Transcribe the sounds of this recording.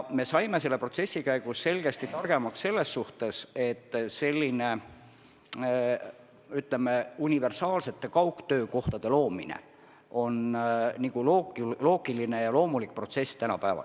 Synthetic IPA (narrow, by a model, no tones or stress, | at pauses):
me̞sɑjme̞s̬e̞lːe̞pro̞t̪se̞sːikæjɡ̥usse̞lɡ̥e̞st̪it̪ɑrɡ̥e̞mɑksse̞lːe̞sːuht̪e̞se̞t̪ːˑse̞lʲːine̞ | yt̪leme̞unʲive̞rsɑːlse̞t̪ːe̞kɑwkt̪ø̞ːko̞ht̪ɑd̪̥e̞lo̞ːminḛ | o̞nniɡ̥uloːɡlo̞ːɡ̥iline̞jɑlo̞ːmulik̚pro̞t̪se̞st̪ænɑ̰pæevɑ̰l